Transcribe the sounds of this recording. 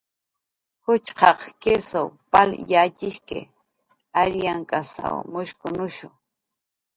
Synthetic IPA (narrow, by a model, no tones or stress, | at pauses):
hʊt͡ʃqɑqkesowpaljat͡ʃɪʃkḛ | aɾjaŋkasa̰wmʊʃkʊnʊʃʊ